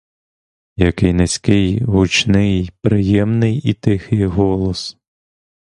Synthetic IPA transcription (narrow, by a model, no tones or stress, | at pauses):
jɐkɪjnesʲkɪjɦut͡ʃnɪjpɾɪjɛmnɪjit̪ɪxɪjɦɔlˠɔs